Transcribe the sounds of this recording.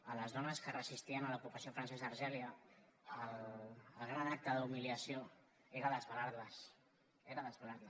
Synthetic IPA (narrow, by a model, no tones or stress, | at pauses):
ələzðɔnəskərəzist̪iənələpupəsiofɾənsɛzaːɾʒɛliəəlləlˠɣɾanak̚t̪əðumiliəsio | eɾəðəzβəlaɾləs | eɾəðəzβalaɾl